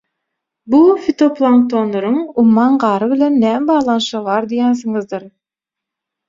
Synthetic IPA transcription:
bufʲit̪oplˠaŋt̪ʰonloɾɯŋumːɑnɢɑːɾɯβilʲenːæːmbɑːʁlˠɑnʃɑβɑːɾd̪ijæns̬ɯŋɯzd̪ɯɾ

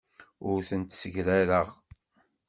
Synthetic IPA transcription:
ʊɾθənt̪səʝɾæɾəʁ

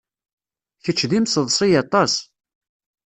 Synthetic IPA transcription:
çət͡ʃːðimsəðˤsˤijɑt̪ˤɑs

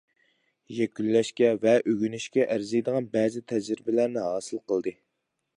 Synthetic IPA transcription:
jɛkʲylːɛʃkʲɛvɛʔøɡʲynyʃkʲɛʔæɾzɨjd̪əʁɑnbɛzɪt̪ʰɛd͡ʒɾɪbɪlæɾnɪɦɑːsɨlˠqəlˠd̪ɨ

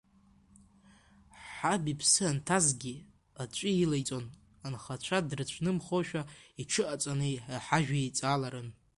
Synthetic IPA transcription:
ħabipʰsɨantʰazɡʲi | at͡ʃʷʼiilajt͡sʼo̞n | anχat͡ɕʷʰadrɨt͡ɕʷʰnɨmχoʃᶣaiʈ͡ʂʰɨʔat͡sʷʼanɨaħaʒᶣaejt͡sʼalaɾɨn

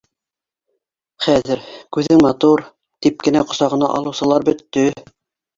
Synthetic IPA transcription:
χæðɘɾkʉðɘŋmɑt̪uɾ | t̪ip̚kɘ̆næqŏsɑʁɤ̆nɑ̰ʔɑ̰lˠɤ̆wsɤ̆lˠɑɾbɵ̆t̪ːɵ

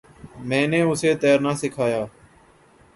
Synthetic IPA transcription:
mɛ̃ːnẽːʊseːt̪eːɾnaːsɪkʰaːjaː

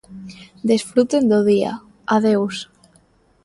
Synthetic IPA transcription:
d̪esfɾut̪end̪oð̞ia̰ | aðews

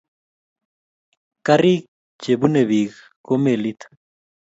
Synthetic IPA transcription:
karik̚ | t͡ʃeβuneβiɣ | komelit̪

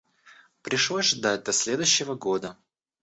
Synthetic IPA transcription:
pɾʲɪʂlˠozʲʐd̪at̚ʲd̪ɐsʲlʲe̞d̪ʊɕːɪvəɡo̞d̪ə

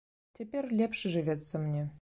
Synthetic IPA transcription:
tʲʰepʲerʲlʲepʂɘʐɨvʲet̪sɘ̆mnʲe

